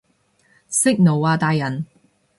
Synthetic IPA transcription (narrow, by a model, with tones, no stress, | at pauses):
sɪ˥k̚no˨˩waː˧t̪aː˧jːɐ˨n